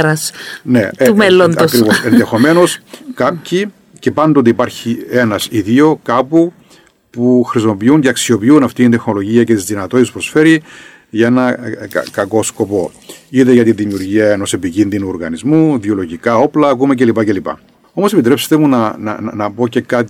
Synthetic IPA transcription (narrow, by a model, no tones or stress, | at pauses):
ɾɐsnḛumelonoskɾivosenðe̞xo̞me̞no̞skapçi | ce̞pɐnd̪o̞t̪iːpɐɾçie̞nɐsiðio̞kɐpu | puxɾismo̞piuɲceɐksio̞piunɐft̪iind̪e̞xno̞lo̞ʝiɐce̞t̪izðinɐt̪otit̪espɾo̞sfe̞ɾi | ʝɐenɐ̰kɐko̞sko̞po̞iðeʝɐt̪inðimiuɾʝiɐeno̞se̞picinðinuoɾɣɐ̰nizmuðiolo̞ʝikɐo̞plɐːkumece̞lipɐcelipɐ̰ | o̞mo̞se̞pit̪ɾe̞pse̥t̪emunɐnɐ̰nɐpo̞ce̞kɐt̪i